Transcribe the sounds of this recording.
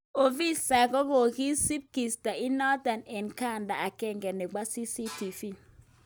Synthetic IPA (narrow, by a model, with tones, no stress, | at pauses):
o˨vi˦sa˨ko˦ko˨ki˦si˦p̚ki˨sta˨i˦nɔ˦da˨nɛ˨nka˦˨nda˨a˨kɛ˦˨ŋɡɛ˨nːe˨ɡ͡ba˦si˦si˦ti˨fi˦˨